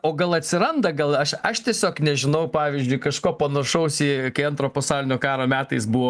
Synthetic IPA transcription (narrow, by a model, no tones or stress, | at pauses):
oːɡɐlˠɐt̪ʲsʲɪɾɐnd̪ɐɡɐlˠɐʃɐʃt̪ʲiɛsʲoːknʲɛʒʲɪnɐʊpɑːʋʲizʲd͡ʒʲʊɪkɐʃkoːpɐnɐʃɐʊsʲikɐɪɐnt̪ɾoːpɐsɑːlʲɪnʲoːkɑːɾoːmʲæːt̪ɐɪsbuʋoː